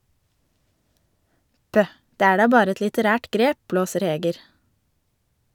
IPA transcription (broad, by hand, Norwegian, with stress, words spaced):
ˈpœh ˈdeː ˈæː ˈɖɑː ˈbɑːɾ ˈɛt lɪtəˈɾæːʈ ˈɡɾeː ˈpbloːsəɾ ˈheːɡəɾ